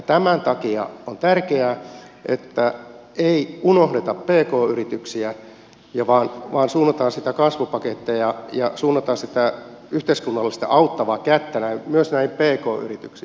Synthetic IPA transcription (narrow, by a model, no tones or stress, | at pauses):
jt̪æmænt̪ɑkiɑ̰ont̪ærkeæ | ʔḛt̪ːæ | eiunohdet̪ɑppeːkoːyrit̪yksiæ | jɑʋɑːnʋɑːnsuːnːɑt̪ɑːnsit̪ækɑsʋupɑket̪ːejɑjɑsuːnːɑt̪ɑnsit̪æ | yht̪eiskunːɑlːesit̪æ̰ʔɑut̪ːɑʋɑːkæt̪ːænæmyøsnæimpeːkoːy̰rit̪yksi